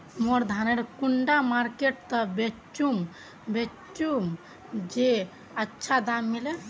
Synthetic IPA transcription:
moɾd̪ʱaneɾkuɳɖamaɾkeʈ̚t̪ɔbet͡ʃum | be | t͡ʃum | d͡ʒe | ətːʃʰad̪amːile

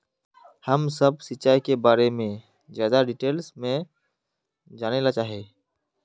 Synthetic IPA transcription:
həmsəb̚sɪtːt͡ʃaːikebaːɾemẽ | zjaːd̪aɖɪʈeːlsmẽ | d͡ʒaːnelat͡ʃaːɦieː

